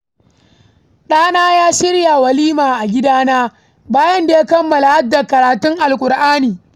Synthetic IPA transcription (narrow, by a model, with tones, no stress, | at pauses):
ɗaː˦naː˦jaː˦ʃɪ˦ɽja˨wɐ˨liː˦maː˨ʔa˨ɡʲɪ˦daː˦naː˦ | baː˦jɐ˦nda˨ja˦kɐ˦mːɐ˨la˨ha˦dːa˨kɐ˨ɾaː˨tʊ˦ŋʔa˨lkʷʼʊ˨ɾʔaː˦niː˨